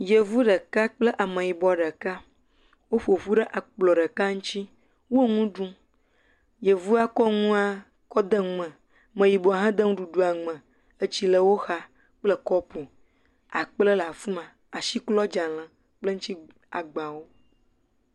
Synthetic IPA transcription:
je˨vu˦ɖə˨ka˦k͡plə˦ʔa˨mə̃˨ji˨bɔ˨ɖə˨ka˦ | wo˦ɸo˨ɸu˦ɖə˦ʔa˨k͡plɔ˨ɖə˨ka˦ŋũ˦t͡ɕi˦ | wo˦ŋũ˦ɖũ˦ | je˨vu˦a˦kɔ˦ŋũ˦a˦ | kɔ˦d̪ə˦ə̃˨ | mə̃˨ji˨bɔ˨a˨ɦã˦d̪ə˦ŋũ˦ɖu˨ɖu˦a˨ŋ͡mə̃˨ | ə˦t͡ɕi˦lə˨wo˦xa˦ | k͡plə˦kɔ˦po˨ | a˨k͡plə˦la˨fu˦mã˨ | a˨ʃi˦klɔ˦d͡ʒa˨l̃ã˨ | k͡plə˦ŋ̩ũ˦t͡ʃi˦ | a˨ɡ͡ba˨wo˦

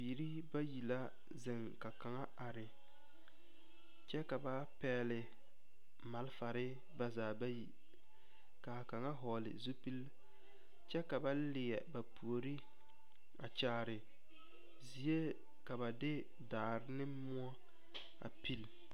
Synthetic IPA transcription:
biː˨ɾi˦ | ba˦ji˨la˦ | zɪ˨ŋka˨ka˨ŋa˦a˨ɾɪ˨ | t͡ʃɛ˦ka˨ba˦ | pɛː˦lɪ˨ | ma˨lfa˨ɾɪ˦ | ba˦zaː˨ba˦ji˨ | ka˨ka˨ŋa˦ɦɔː˨lɪ̰˨zu˦pi˦l | t͡ʃɛ˦ka˨ba˦lɪ˨jɛ˨ba˨pʰu˨o˨ɾi˦ | a˨t͡ʃaː˨ɾɪ˨ | zi˨e˦ | ka˨βa˨dɪ˦ | daː˨ɾɪ˦nɪ˦mʊ˦ɔ˦ | a̰˨pi˦l

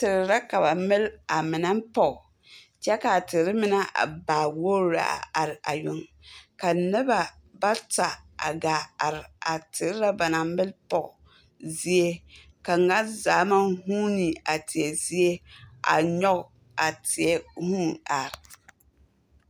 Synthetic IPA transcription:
tɪ˨ɾɪ˨ɾa˦ka˨ba˨mɪ˦la˨mɪ˨na˦mpɔ˨ɣ | t͡ʃɛ˦ka˨tɪ˨ɾɪ˦mɪ˦na˦ʔa̰˨baː˨wo˦ɾa̰˨a˨ɾɪ˨a̰˨jʊ˨ŋ | ka˨nɪ˦ba˨ | ba˦ta˨a̰˨ɡaː˨a˨ɾɪ˨a˨tɪ˨ɾɪ˦ɾa˦ba˨na˨mɪ˦lpɔ˨ɣ | zi˦e˦ | ka˨ŋa˦zaː˨˦ma˦huː˦ni˨a˨tɪ˨ɛ˨zi˦e˦a̰˨ɲɔ˦ɣ | a˨tɪ˨ɛ˦huː˦a˨ɾ

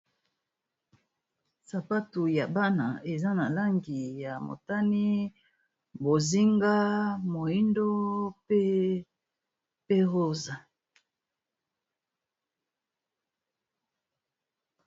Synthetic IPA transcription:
sa˨pa˦tu˨ja˨ba˦na̰˨e˨za˦na˨la˦ŋɡi˨ja˨mo̰˨ta˦ni˦ | bo˨zi˦ŋɡa˦mo˨i˦ndo˦pe˦ | pe˦ʁo˦za˨

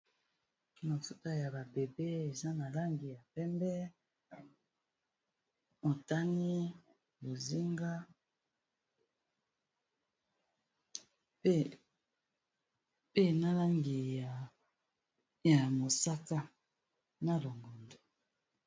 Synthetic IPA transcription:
na˨fu˦ta˦ja˨ba˨be˨be˦e˨za˦na˨la˦ŋɡi˨ja˨pɛ˦mbɛ˦ | o˨ta˦ni˦ | bo˨zi˦ŋɡa˦ | pe˦na˨la˦ŋɡi˨ | ja˨mo˨sa˦ka˦ | na˦˨lo˨ŋɡo˨ndo˨

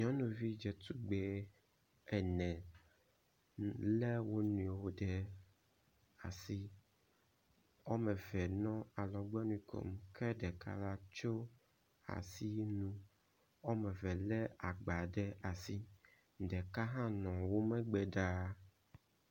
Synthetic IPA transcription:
ɲɔ̃˦nũ˨vi˦d͡ʒɛ˨t̪u˦ɡ͡bɛ˨ | ɛ˨nɛ̃˨ | lɛ˦wo˦nũ˨wo˨ɖɛ˦ | a̰˨si˦ | ɔ˦mɛ̃˨vɛ˨nɔ̃˦a˨lɔ˨ɡ͡bɛ˦nũ˦kʰo̰˨mkʰɛ˦ɖɛ˨ka̰˦la˦t͡ʃo˦ | a̰˨si˦nũ˦ | ɔ˦mɛ̃˨vɛ˨lɛ˦a˨ɡ͡ba˨ɖɛ˦a˨si˦ | ɖɛ˨ka˦ɦã˦nɔ̃˨wo˦mɛ̃˦ɡ͡bɛ˨ɖa˦

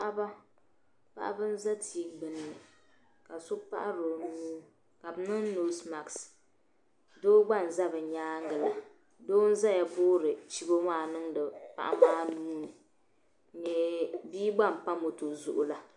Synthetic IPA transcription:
ʔa˦ba˦ | pa̰˦ʔa̰˦bɨ˦n̩˦za˦tʰiː˨˦bɨ˨nːɨ˨ | ka˨sʊ˦pa̰˦ʔa˦ɾo˨nuː˦ | ka˨bɨ˨˦nɨ˦ŋ˦no˦sma˨ks | doː˦ɡ͡ba˦˨n̩˨za˦bɨ˨ɲaː˦ŋ˦ɡɨ˨la˨ | doː˦n̩˦za˦ja˨boː˦ɾɨ˨t͡ʃi˦bo˦maː˦˨nɨ˦ŋdɨ˨pa̰˦ʔa̰˦maː˦nuː˦nɨ˨ | ɲɛ˨biː˦ɡ͡ba˦˨m̩˨pa˦mo˨tu˨zu˨ʔʊ˨la˦

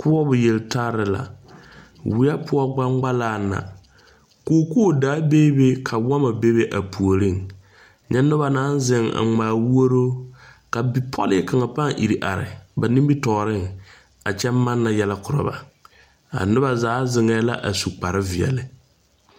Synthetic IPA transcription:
kʊ˦ɔ˦bʊ˨je˨ltʰa˦ɾɪ˨la̰˨ | wɪ˦a˦pʊ˦ɔ˦ɡ͡ba˦ŋ͡mɡ͡ba˦laː˦˨na̰˨ | ko˦˨ku˦o˦˨daː˦beː˦be˦kʰa˨wɔ˦ma˨be˦be˦ʔa˨pu˨o˨ɾɪ˦˨ŋ | ɲɛ˦nʊ˦βa˨na˦n˦zɪ˨ŋa̰˨ŋ͡maː˨wu˦o˦ɾo˦ | ka˨bi˨˦pʰɔ̰˦lɪ˦ka˨ŋa˨pa˦ŋʔḭ˨ɾi˨ʔa̰˨ɾɪ̰˨ba˨ni˦mbi˦tɔː˨ɾɪ˦ŋ | a˨t͡ʃɛ˦mː˦a˦nːa˨jɛ˦la˦kʊ˨ɾa̰˨ba̰˨ | a̰˨nʊ˦ba˨zaː˨˦zɪ˨ŋɛː˨˦la̰˦ʔa˨su˨k͡pa˨ɾɪ˦vɪ˨ɛ̰˨lɪ˨

